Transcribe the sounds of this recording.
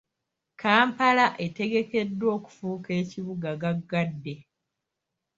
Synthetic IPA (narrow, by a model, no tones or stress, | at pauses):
kaːmpalaʔe̞te̞ɡe̞ke̞dːwo̞ːku̥fuke̞ːciβuɡaɡaɡːadːe̞